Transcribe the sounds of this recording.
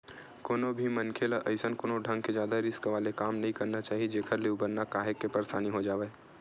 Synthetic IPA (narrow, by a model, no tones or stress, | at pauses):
koːnobʱimɐnkʰeːlaʔɐɪsənkoːnoɖʱɐ̃ŋɡked͡ʒjaːd̪aɾɪskʋaːlekaːmnɐɦĩkɐɾnat͡ʃaːɦied͡ʒeːkʰəɾleubəɾnakaːɦekːepɐɾsaːniɦod͡ʒaːʋeː